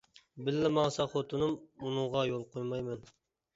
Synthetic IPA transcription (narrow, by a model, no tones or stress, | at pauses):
bɪlːɪmɑŋsɑχot̪ʰʊnɨmunʊŋʁɑjolˠqʰojmɑjmɪn